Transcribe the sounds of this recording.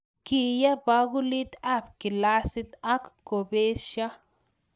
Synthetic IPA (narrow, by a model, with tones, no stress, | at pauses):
ki˨ja˦ba˦ɡu˦li˦t̪a˦˨bki˨la˦si˦t̪a˦kko˨be˦ʃa˦